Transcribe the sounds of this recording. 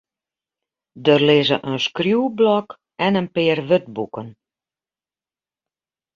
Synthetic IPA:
dərlɪzə̰ʔənskrjuwblɔk | ɛnənpɪːrʋøt̚bukən

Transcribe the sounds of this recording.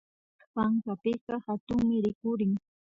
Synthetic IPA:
paɴkapɪqɑhat̪ʊŋmɪɾɪkʊɾɪŋ

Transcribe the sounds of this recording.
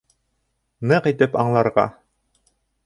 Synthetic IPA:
nɤqit̪ɘpɑɴlˠɑɾʁɑ̰

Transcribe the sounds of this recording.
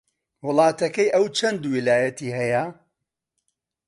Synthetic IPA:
wʊlˠɑːt̪ɐkɐjʔɐwt͡ʃʰɐnd̪wilaːjɐt̪iːɦɐjɐ

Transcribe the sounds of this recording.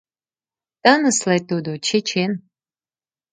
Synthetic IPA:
t̪anɨslajt̪od̪ot͡ʃʰet͡ʃʰen

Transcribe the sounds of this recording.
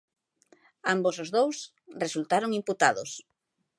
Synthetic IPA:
ambosozðows | result̪aɾoŋimput̪aðʊs

